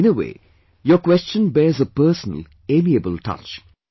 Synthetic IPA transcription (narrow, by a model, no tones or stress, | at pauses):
ɪnəwḛː | jəkwɛst͡ʃə̃nbɛːzəpəːsənə̰l | eːmiəbəlʈʰʌ̰t͡ʃ